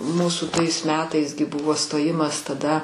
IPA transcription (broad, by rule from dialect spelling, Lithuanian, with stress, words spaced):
ˈmuːsuː ˈtɐɪs ˈmʲæːtɐɪs ɡʲɪ ˈbʊʋoː stoːˈjɪmɐs tɐˈdɐ